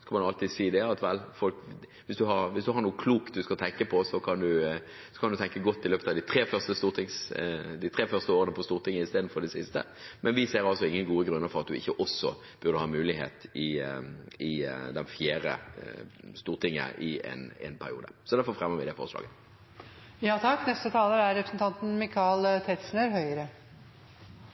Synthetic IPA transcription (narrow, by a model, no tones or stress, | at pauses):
skɑlmɑnɑlt̪iːd̪siːd̪ɛɑt̪ʋɛlfɔlk | ʋɪsd̪ʉhɑɾʋɪsd̪ʉhɑɾnuːəkʰluːkt̪̚d̪ʉskɑlt̪ʰɛŋkəpʰɔsɔkʰɑnd̪ʉ | sɔkʰɑnd̪ʉt̪ʰɛŋkəɡɔt̪ːɪløːpət̪ɑd̪ɪt̪ʰɾeːfœʁst̪əst̪uːɾt̪ʰɪŋsd̪ɪt̪ʰɾeːfœʁst̪əoːɾənəpʰɔst̪uːɾt̪ʰɪŋːəɪst̪eːd̪n̩fɔʁɖ̪ɛsɪst̪ə̰ | mɛnʋɪseːɾɑlsɔɪŋːənɡuːəɡɾʉnːəɾfɔɾɑt̪̚d̪ʉɪ̰çːəʔɔsɔ | b̥ʉɾd̪əhɑːmʉːlɪɦḛːt̪ɪ | ɪd̪ɛnfjæːɾə̰ | st̪uːɾt̪ʰɪŋːə̰ʔɪɛ̰nɛ̰npʰæɾɪuːd̪ə̰sɔd̪æʁfɔɾfɾɛmːəʋɪd̪ɛfɔ̰ʁəslɑ̰ːɡə | jɑːt̪ʰɑkːnɛst̪ət̪ʰɑːləɾæɾɾɛpɾəsn̩t̪ʰɑnt̪n̩mɪkʰɑlt̪ʰɛt̪snəɾɦœʏəɾə